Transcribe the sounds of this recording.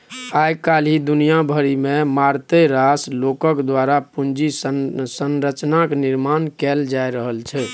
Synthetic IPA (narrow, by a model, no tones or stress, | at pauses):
ajkalid̪unijabʱəɾimemaɾt̪əɾaslokəkd̪ʋaɾapund͡ʒissənɾət͡ʃnakniɾmankɛld͡ʒajɾəɦəlt͡ʃʰɛ